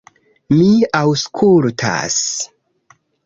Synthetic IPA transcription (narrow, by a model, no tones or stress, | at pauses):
miawskʰultʰa̰s